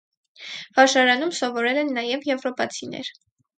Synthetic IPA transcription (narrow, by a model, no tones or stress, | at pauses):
v̥ɑʃɑɾɑn̪umsɔvɔɾɛlɛnːɑjɛvjɛvɾɔpɑt͡sʰinɛ̰ɾ